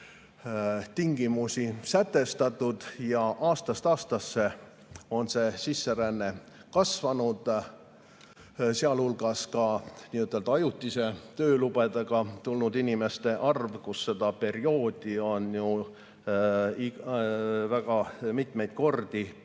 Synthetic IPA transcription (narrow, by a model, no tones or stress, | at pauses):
t̪iŋɡ̥imusisæt̪ːe̞st̪ɑt̪ːˑud̪̥jɑʔɑːst̪ɑst̪ɑːst̪ɑsːe̞ | o̞nse̞sisːe̞ɾænːe̞ | kɑsvɑnud̪̥ | seɑlhulɡ̥ɑskɑniːut̪ːˑelt̪ɑjut̪ˑːise̞t̪ø̞ːlub̥ed̪eɡ̥ɑt̪ulnud̪inʲime̞st̪e̞ʔɑrvkusse̞d̪̥ɑpe̞ɾio̞ːd̪̥io̞nju | i | væɡ̥ɑmit̪me̞jd̪̥̚ko̞rd̪̥i